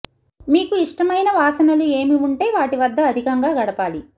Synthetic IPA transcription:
miːkuiʂʈɐmɐjnɐʋaːsɐnɐlue̞ːmiuɳʈe̞ːʋaːʈiʋɐd̪ːɐːd̪ʱikɐŋɡaːɡɐɽɐpaːli

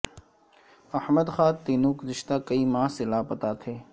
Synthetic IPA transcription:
ɐhməd̪xaːt̪eːnuːɡʊzɪʃt̪aːkəiːmãːselaːpət̪aːt̪ʰeː

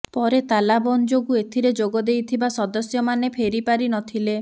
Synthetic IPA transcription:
pɔɾet̪alabɔnd͡ʒoɡuet̪ʰiɾed͡ʒoɡɔd̪ejt̪ʰibasɔd̪ɔsjɔmanepʰeɾipaɾinɔt̪ʰile

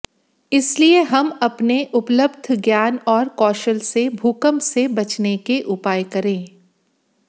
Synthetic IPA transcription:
ɪslieɦɐmɐpneʔʊpləbd̪ʱɡjaːnɔːɾkɔːʃəlsebʱuːkəmsebɐt͡ʃnekeʔʊpaːjkɐɾẽː

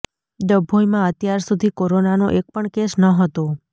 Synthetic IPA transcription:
d̪əbʱojmãət̪jaɾsud̪ʱikoɾonanoʔek̚pəɳkeʃnəɦət̪o

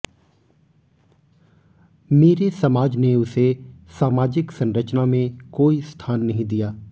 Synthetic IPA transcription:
meːɾesɐmaːd͡ʒneʊsesaːmaːd͡ʒɪksɐ̃nɾət͡ʃnamẽkoːist̪ʰaːnːɐɦĩd̪ijaː

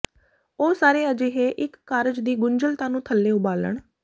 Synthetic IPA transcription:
oːsaːɾeːəd͡ʒeːɦeːʔɪkːaːɾəd͡ʒd̪iːɡʊɲd͡ʒəlt̪ãːnũːt̪ʰəlːeːʊbaːlə̰ɳ

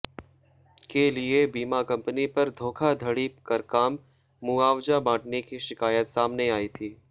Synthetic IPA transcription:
keliebiːmakɐ̃mpənipɐɾd̪ʱoːkʰad̪ʱɐɽiːpkəɾkaːmː | uaːʋd͡ʒabãːʈnekiʃɪkaːjət̪saːmneaːiːt̪ʰiː

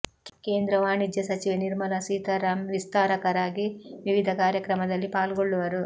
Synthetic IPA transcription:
ke̞ːnd̪ɾɐʋaːɳid̪jɐsɐt͡ʃiʋɐniɾmɐlɐsiːt̪ɐɾɐmʋist̪aːɾɐkɐɾaːɡiʋiʋid̪ʱɐkaːɾjɐkɾɐmɐd̪ɐlːipaːlɡoɭːuʋɐɾu

